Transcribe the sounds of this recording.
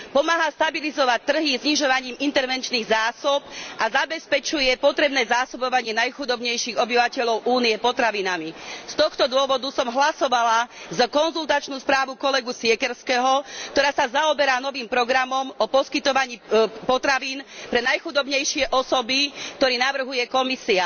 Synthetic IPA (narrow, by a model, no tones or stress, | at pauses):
pɔmaːɦast̪abilizɔʋac̚t̪ːr̩ɦizɲiʒɔʋaɲiːmint̪ɛɾʋɛnt͡ʃniːɣzaːsɔpʔazabɛspɛt͡ʃujɛpɔt̪ɾɛbnɛːzaːsɔbɔʋaɲɪɛnajxud̪ɔbɲɛjʃiːɣɔbiʋacɛʎɔʊʔuːniɛpɔt̪ɾaʋinamist̪ɔxt̪ɔd̪ʊɔʋɔd̪usɔmɦlasɔʋalazkɔnzult̪at͡ʃnuːspɾaːʋukɔlɛɡusɪɛkɛɾskɛɦɔkt̪ɔɾaːsazaɔbɛɾaːnɔʋiːmpɾɔɡɾamɔmɔpɔskit̪ɔʋaɲiːpɔt̪ɾaʋiːnpɾɛnajxud̪ɔbɲɛjʃɪɛʔɔsɔbikt̪ɔɾiːnaʋr̩ɦujɛkɔmisia